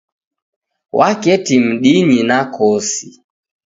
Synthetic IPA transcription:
wʔakɛtim̩ɗiɲinakɔsi

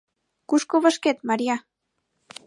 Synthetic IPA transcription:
kuʃkoβaʃket̪maɾia

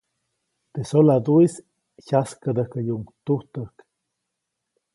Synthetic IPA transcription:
t̪esolad̪uis | çaskəd̪əhkəjuŋt̪uht̪əhk

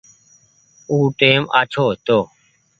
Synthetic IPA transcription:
uːʈeːmʔa̰ːt͡ʃʰoːt̪oː

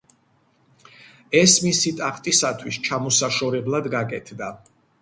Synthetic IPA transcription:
ɛsmisit̪ʼaχt̪ʼisat̪ʰwist͡ʃʰamɔsaʃɔɾɛblˠad̪ɡakʼɛt̪ʰd̪a

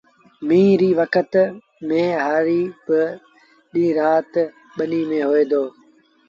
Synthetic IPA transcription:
mĩːɾiːʋəkʰət̪ | mẽːɦaːɾiːbɪ | ɗĩːɾaːt̪ | ɓəniːmẽːɦoeːd̪oː

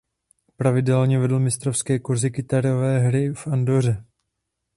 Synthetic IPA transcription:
pɾavɪdɛlɲɛvɛdl̩mɪst̪ɾofskɛːkuɾzɪkɪt̪aɾovɛːɦɾɪfʔandor̝ɛ

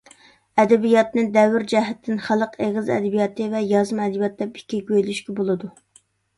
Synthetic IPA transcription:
ɛd̪ɛbijɑt̪nɨd̪ɛwɪɾd͡ʒɛɦɛt̪ʰːɪnχælˠəqʰeʁɨzɛ̰d̪ɛbijɑt̪ʰɨvɛjɑzɨmɛd̪bjɑt̪̚d̪ɛpi̥kʲːiɡʲøjlyʃkʲɛbolˠɨd̪u

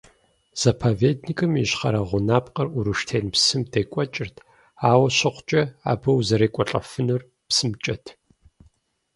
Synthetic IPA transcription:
z̥ɐpʰoːveːdnikʼɨmiɕχɐ̰ɾɐʁʷʊnaːpqʼɐruɾɨʂtʰeːnpsɨmdejkʷʼɔt͡ʃʼɪrtʰ | aːwɐɕɐχʷt͡ʃʼɐa̰ːbɐwzɐɾeːkʷʼɔɬʼɐ̰fɨnɨr | psɨmt͡ʃʼɐtʰ

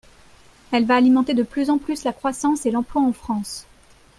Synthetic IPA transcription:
ɛlvaːlimɑ̃t̪ed̪əplyzɑ̃plyslakχwasɑ̃selɑ̃plwaɑ̃fχɑ̃s

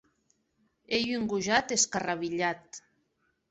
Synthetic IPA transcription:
ejyŋɡuʒat̪eskaraβiʎat̪

